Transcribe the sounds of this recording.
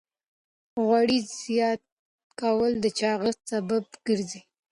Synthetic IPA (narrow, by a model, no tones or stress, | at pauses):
ɣwaɽizijɑt̪ | kawəld̪ət͡ʃɑɣəst̪sabab̚ɡ̥əɾzi